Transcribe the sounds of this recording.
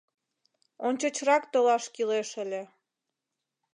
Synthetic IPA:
onʲt͡ɕot͡ɕrɑkt̪olɑʃkileʃəlʲe

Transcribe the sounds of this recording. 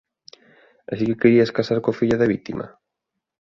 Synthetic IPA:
asikekeɾiɐskasaɾkofiʎaðɐβit̪imʔɐ̰

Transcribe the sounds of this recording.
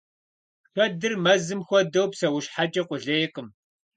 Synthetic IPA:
xʷɔdɨrmɐzɨmxʷɔdɐwpsɐwʊʃħat͡ʃʼɐqʷʊɮɐjɪqʼəm

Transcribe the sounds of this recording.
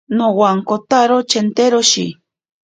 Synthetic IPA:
nowaŋkot̪aɾot͡ʃent̪eɾoʃḭ

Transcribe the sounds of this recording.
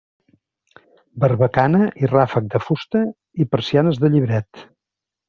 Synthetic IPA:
bəɾβəkanəʔirafək̚d̪əfust̪ə | ipəɾsianəzðəʎiβɾɛt̪

